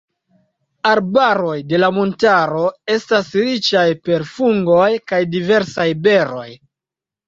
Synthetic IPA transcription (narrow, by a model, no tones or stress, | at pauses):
aɾbaɾo̞jde̞lamontaɾo̞e̞stasɾit͡ʃajpe̞ɾfuŋɡo̞jkajdive̞ɾsajbe̞ɾo̞j